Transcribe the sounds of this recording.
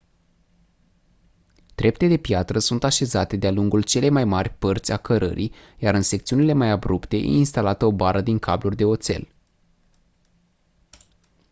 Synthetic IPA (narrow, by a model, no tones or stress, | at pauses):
d̪̥ɾe̞p̚t̪e̞d̪e̞pjat̪ɾəsunt̪aʃe̞zat̪e̞d̪ealuŋɡult͡ʃe̞le̞jmajmarʲpərt̪sʲakəɾə̰ɾʔḭ | jaɾɨnse̞kt̪siunile̞majabɾupt̪e̞jḛinst̪alat̪əo̞baɾəd̪iŋkʰablurʲd̪eo̞t̪se̞̰l